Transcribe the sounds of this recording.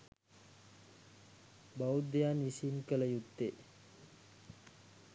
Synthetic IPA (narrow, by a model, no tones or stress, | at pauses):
baud̪ejaːnisinkələjut̪ːe